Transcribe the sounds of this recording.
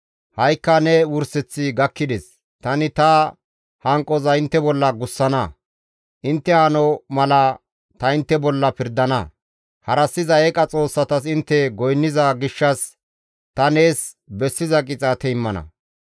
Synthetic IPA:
hɐjkːɐnɛwʊɾsɛt͡sːɪɡɐkːɪd̪ɛs | t̪ɐnɪt̪ɐ | hɐŋkʼɔzɐɪnt̪ːɛbɔlːɐɡʊsːɐnɐ | ʔɪnt̪ːɛhɐnɔmɐlɐ | t̪ɐɪnt̪ːɛbɔlːɐpɪɾd̪ɐnɐ | hɐɾɐsːɪzɐɛkʼɐt͡sʼo̞ːsːɐt̪ɐsɪnt̪ːɛɡɔjnːɪzɐɡɪʃːɐs | t̪ɐne̞ːs | bɛsːɪzɐkʼɪt͡sʼɐt̪ɛɪmːɐnɐ̰

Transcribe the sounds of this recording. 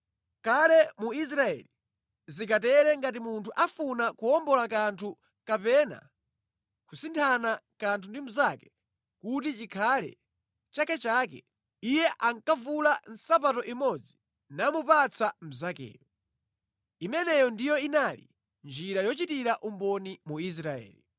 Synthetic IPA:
kalɛmuis̬ɾaɛ̰li | zikat̬ɛɾɛŋɡat̬imuntʰuʔafunakuɔmbɔlakantʰu | kapɛna̰ | kusintʰanakantʰundim̩zakɛ | kutit͡ʃikʰalɛ̰ | t͡ʃakɛt͡ʃaːk̬ɛ̰ | ijɛʔaŋkavulan̩sapatɔʔimɔd͡zi | namupat͡sʰam̩zakɛ̰ːjɔ | imɛnɛjɔndijɔinalḭ | nd͡ʒiɾajɔt͡ʃitiɾaʔumbɔnimuis̬ɾaɛ̰ːli

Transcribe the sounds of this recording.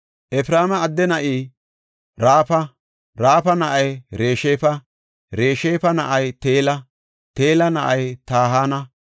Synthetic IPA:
ʔɛfɪɾaːmɐːd̪ːɛnɐʔiː | ɾaːpɐ | ɾaːfɐnɐʔɐjɾe̞ːʃeːfɐ | ɾeːʃeːfɐnɐʔɐjt̪eːlɐ | t̪e̞ːlɐnɐʔɐjt̪aːɦaːnɐ

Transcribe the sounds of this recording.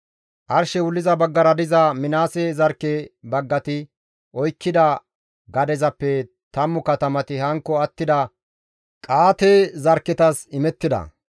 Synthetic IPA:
ʔɐɾʃɛwʊlːɪzɐbɐɡːɐɾɐd̪ɪzɐmɪnaːsezɐɾkːebɐɡːɐt̪ɪ | ʔɔjkːɪd̪ɐ | ɡɐd̪ɛzɐpːɛ | t̪ɐmːʊkɐt̪ɐmɐt̪ɪhɐŋkːɔɐt̪ːɪd̪ɐ | kʼaːt̪ɛzɐɾkːɪt̪ɐsɪmɛt̪ːɪd̪ɐ̰

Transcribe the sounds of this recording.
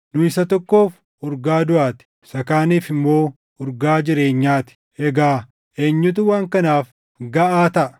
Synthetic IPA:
nʊɪsɐt̪ɔkːo̞ːf | ʊɾɡaːd̪ʊʔaːt̪ɪ̥ | sɐkaːniːfɪmːo̞ː | ʊɾɡaːd͡ʒɪɾe̞ːɲːaːt̪ɪ̥ | ɛɡaː | ʔeːɲːʊt̪̬ʊwaːŋkɐnaːf | ɡɐʔaːt̪ɐʔɐ

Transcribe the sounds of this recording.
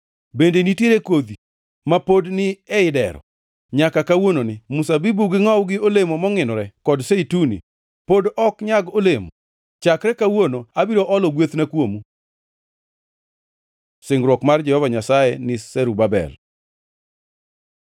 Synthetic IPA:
bendenitjeɾekod̪i | mapodnɪɛɪdɛ̰ɾɔ̰ | ɲakakawononɪmusabibuɡɪŋɔwɡɪolemomɔŋɪnɔɾɛkɔdseitunḭ | podɔkɲaɡolemo | t͡ʃakɾɛkawonoabiɾoʔɔlɔɡwet̪nakwomu | sɪŋɾwɔkmard͡ʒɛhɔvaɲasajenɪsɛɾubabɛ̰l

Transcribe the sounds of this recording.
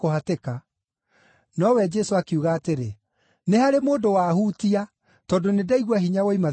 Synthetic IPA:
ohateka | nɔwɛd͡ʒɛsoakeuɣaːteɾe | nehaɾemoːndowaːhuːtia | tɔːdonedaiɣwaɦiɲawoima

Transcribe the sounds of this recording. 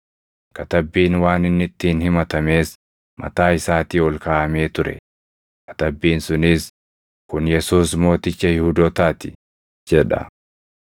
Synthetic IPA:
kɐt̪ɐbːiːnwaːnɪnːɪt̪ːɪːnhɪmɐt̪ɐme̞ːs | mʔɐ̰t̪aːɪsaːt̪iːɔlkaːʔɐme̞ːt̪ʊɾɛ̰ | kɐ̥t̪ɐbːiːnsʊnɪs | kʊnjɛsuːsmo̞ːt̪ɪt͡ʃːɐhɪhuːd̪ɔːt̪aːt̪ɪ̥ | d͡ʒɛᶑɐ̰

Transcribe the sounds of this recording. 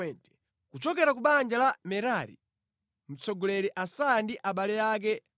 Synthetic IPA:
ɛntɛ̥ | kut͡ʃɔkɛɾakuɓand͡ʒalamɛɾaɾḭ | m̩t͡sɔɡɔlɛɾiʔasandiʔaɓalɛjak̬ɛ

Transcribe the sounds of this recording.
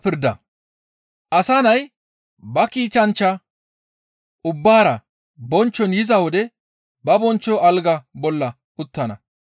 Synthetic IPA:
pɪɾd̪ɐ | ʔɐsanɐj | bɐkiːt͡ʃːɐnt͡ʃːɐ | ʊbːaːɾɐ | bɔnt͡ʃːɔnjɪzɐwɔd̪ɛ | bɐbɔnt͡ʃːɔʔɐlɡɐbɔlːɐ | ʔʊt̪ːɐnɐ

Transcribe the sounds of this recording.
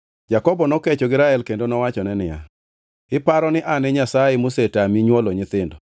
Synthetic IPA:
d͡ʒakɔbɔnɔket͡ʃoɡɪɾaɛlkendonɔwat͡ʃɔnɛnɪja̰ | ɪpaɾɔnɪʔanɛɲasaɛmusetamiɲwɔloɲɪt̪ɪndɔ

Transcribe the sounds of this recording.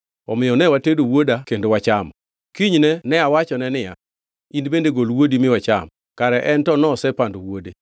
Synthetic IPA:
ɔ̰mɪjɔnɛwatedowodakendowat͡ʃam | kiɲnɛnɛawat͡ʃɔnɛnɪja̰ | indbendeɡolwodimɪwat͡ʃa̰m | kaɾɛʔɛntɔnɔsɛpandowode

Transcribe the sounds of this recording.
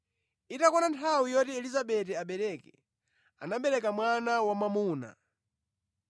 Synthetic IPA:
itakɔnantʰawijɔtiɛlizaɓɛtɛaɓɛɾɛkɛ̰ | a̰naɓɛɾɛkamwanawamamuːna̰

